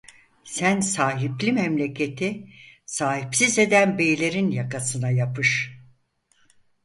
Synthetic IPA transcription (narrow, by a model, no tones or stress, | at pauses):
sænsaːɦiplʲimɛmlʲe̞cʰe̞t̪ʰisaːhipsize̞d̪ænbe̞jlʲe̞ɾinjakasɯnajapʰɯʃ